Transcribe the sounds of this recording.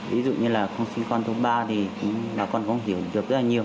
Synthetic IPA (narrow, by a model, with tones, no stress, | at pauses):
vḭ˨˦zṵ˧˨ɲɨ˧laː˨˩xə˧wŋ͡msï˧ŋ̟kɔ˧nt̪ʰo˧˦ɓaː˧t̪ʰi˨˩kʊ̰˧˥ŋ͡mɓaː˨˩kɔ˧˩nkʊ̰˧˥ŋ͡mɦi˨˩˦əwɗɨ˨˩ək̚zə˦˥laː˨˩ɲi˨˩əw